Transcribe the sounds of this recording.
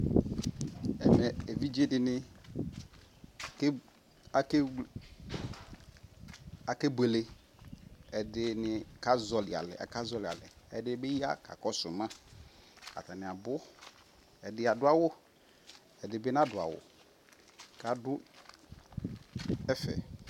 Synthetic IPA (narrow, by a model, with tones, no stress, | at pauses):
ɛ˨mɛ˨e˨vi˦d͡ʒe˦dɪ˨nɪ˦˨ | k | a˨k | a˨ke˦be˨le˦ | ɛ˨dɪ˦nɪ˨ka˦zɔ˨lɪ˨a̰˨lɛ̰˨ʔɛ̰˨ka˦zɔ˦lɪ˨a̰˨lɛ˨ɛ˦dɪ˦be˦ji˦a̰˦ka̰˨kɔ˦sʊ̰˨mã˦ | ka̰˨t̪a˨nɪ˨a˨bʊ˦ | ɛ˨dɪ˨˦a˨dʊ˦a˦wʊ˦ | ɛ˨dɪ˨bɪ˦nã˦dʊ˨a̰˨wʊ̰˨ | ka˨dʊ˦ | ɛ˦fɛ̰˨